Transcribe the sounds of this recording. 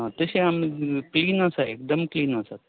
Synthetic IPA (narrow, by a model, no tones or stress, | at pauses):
at̪əseamikliːnasaek̚d̪əmkliːnasat̪